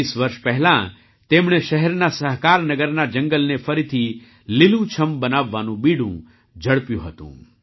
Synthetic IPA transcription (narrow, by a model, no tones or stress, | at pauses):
isʋəɾʃpɛɦɛlã | t̪emɳ̃eʃəɦɛɾnasəɦkaɾnəɡəɾnad͡ʒəŋɡəlnefəɾit̪ʰi | lilũt͡ʃʰəmbənaʋːanũbiɽṵ̃ | d͡ʒəɽpjṵ̃ɦət̪ṵ̃